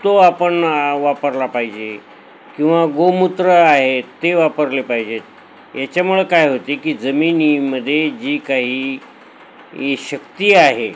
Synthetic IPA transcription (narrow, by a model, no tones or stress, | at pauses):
t̪oapəɳʋapəɾlapaɦid͡ʑe | kĩw̃ʋaɡomut̪ɾəaɦet̪ːeʋapəɾlepaɦid͡ʑet̪ | jat͡ɕjamuɭəkajɦot̪ekiːd͡zəminiməd̪ʱːjed͡ʑiːkaɦiː | ɕəkt̪iːaɦe